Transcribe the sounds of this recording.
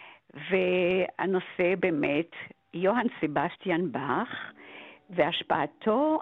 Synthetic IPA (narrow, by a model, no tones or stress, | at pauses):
vea̰nosebemɛt | joɦansebastjanbaχ | veaʃpa̰ːtʰo